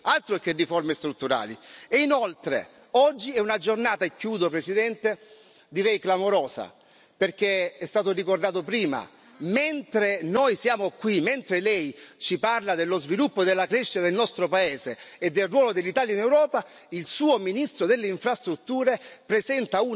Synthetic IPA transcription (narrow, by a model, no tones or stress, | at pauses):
alt̪ɾok̟erːiformest̪ɾut̪ːuɾa̰ːlḭeinolt̪ɾḛ | ɔd͡ʒːiɛunad͡ʒornaːt̪aekːjuːd̪opɾesid̪ɛnt̪e | d̪iɾɛjklamoɾɔːsa̰ | perk̟eɛst̪aːt̪orikord̪aːt̪opɾiːma̰ | ment̪ɾenojsjaːmokwiment̪ɾelɛjt͡ʃiparlad̪elːozvilupːod̪elːakɾeʃːit̪ad̪elnɔst̪ɾopaeːzeːd̪ːelrwɔːlod̪elːit̪aːljainewɾɔːpa | ilsuːominist̪ɾod̪elːeiɱfɾast̪ɾut̪ːuːɾepɾezɛnt̪au